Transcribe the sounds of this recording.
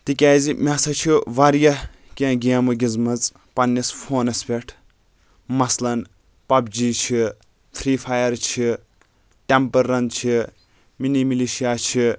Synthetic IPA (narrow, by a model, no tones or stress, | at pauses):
t̪ikʲaːzimʲɐsɐt͡ʃʰiʋɐɾjɐ | kʲẽɡʲiɐmuɡʲizmɐt͡sʼ | pɐnːisfʰoːnɐspʲeʈʰ | mɐslɐn | pɐbd͡ʒiːt͡ʃʰi | t̪ʰɾiːpʰaːjɐɾt͡ʃʰi | ʈempɐɾːɐnt͡ʃʰi | minimiliʃijaːt͡ʃʰi